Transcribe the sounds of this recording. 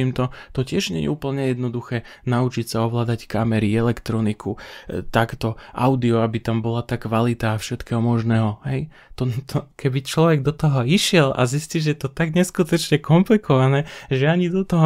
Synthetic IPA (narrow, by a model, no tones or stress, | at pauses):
imt̪ɔt̪ɔcɪɛʒɲɛjɛ̰uːpl̩ɲɛjɛd̪nɔd̪uxɛː | naut͡ʃicsaɔʋlaːd̪ackamɛɾiɛlɛkt̪ɾɔnikʰut̪akt̪ɔʔaʊd̪iɔabit̪ambɔlat̪aːkʋalit̪aːfʃɛt̪kɛːɦɔmɔʒnɛːɦɔɦɛj | t̪ɔt̪ʰɔkʰɛbit͡ʃlɔʋɛɡd̪ɔt̪ɔɦɔiʃɪɛlʔa̰zisciʒɛjɛt̪ɔt̪aɡɲɛskut̪ɔt͡ʃɲɛkɔmplikʰɔʋanɛːʒɛaɲid̪ɔt̪ɔɦɔ